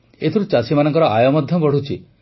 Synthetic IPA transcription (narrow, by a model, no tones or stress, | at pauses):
et̪ʰiɾut͡ʃasimanɔ̃ŋkɔɾɔajɔmɔd̪ʱjɔbɔɽut͡ʃʰi